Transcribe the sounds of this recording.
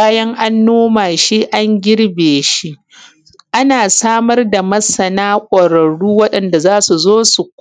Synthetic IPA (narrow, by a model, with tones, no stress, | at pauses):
aː˦jɐ˦ŋʔa˦nːoː˦maː˨ʃi˦ʔa˦ŋɡʲɪ˦ɽbeː˨ʃi˦ʔ | ʔa˦naː˨saː˦mɐ˦rda˨mɐ˦sɐ˨naː˦kʷʼɐ˨ɾɐ˨ɽuː˦wɐ˦ɗɐ˨nda˨zaː˦su˨zoː˦su˨k